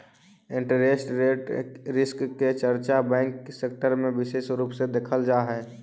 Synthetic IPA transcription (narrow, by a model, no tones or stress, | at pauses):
ɪ̃ɳʈəɾeːsʈɾeʈɾɪskːet͡ʃəɾt͡ʃabɛ̃ːŋkseːk̚ʈəɾmẽʋɪʃeːsɾuːpsed̪eːkʰəld͡ʒaːɦɛː